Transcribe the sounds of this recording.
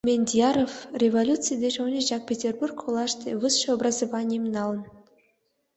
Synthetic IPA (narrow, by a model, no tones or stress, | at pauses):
mʲenʲdʲijɑɾofrʲevolʲut̪t͡sɨjd̪ʲeʐownʲeʑɑk̚pʲetʲerburkχolˠɑʂt̪ʲevɨsʃeobrɑzovɑnʲijəmnɑlˠə̆n